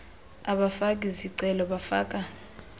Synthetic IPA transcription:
aɓafak̬ʼiziǀɛlɔɓafa̰ːk̬ʼa

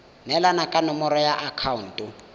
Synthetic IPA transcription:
nɛlanakʼanɔmɔɾɔjaʔakʰaun̩tʼu

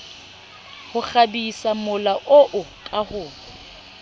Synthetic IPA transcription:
hʊk͡xabisamʊlaʔoʔʊkʼahʊː

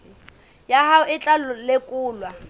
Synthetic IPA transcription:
jahaʊɪt͡ɬʼalʊlekʼuːlwa

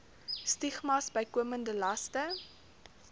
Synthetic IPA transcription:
stiχmɐsbəjkuəməndəlɐstə

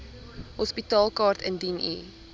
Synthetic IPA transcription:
hɔspitɑːlˠkɑːrtʰə̰ndinḭ

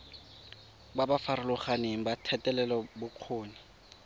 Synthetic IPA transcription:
babafaɾʊlʊχaneŋ̩batʰɛtʼɛlɛlɔbʊq͡χʰoːɲa

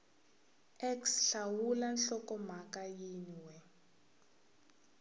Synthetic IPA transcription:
ɛksɬawulanɬɔkɔm̤akajinwɛ

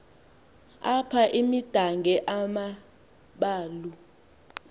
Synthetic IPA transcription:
apʰaʔimid̥ʱaŋʱɛʔama | ɓaːlu

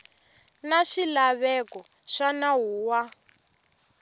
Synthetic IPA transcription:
naʃilaβɛkɔ | ʃanaɦuːwa

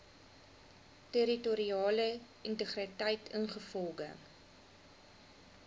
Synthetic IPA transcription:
teɾituɾiɑːlə | intəχritɐjtʰənχəfɔlˠɡə̰

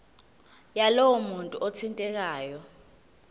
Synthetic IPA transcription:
jalɔwɔmuntʼuʔotʰintʼɛk̬aːjɔ

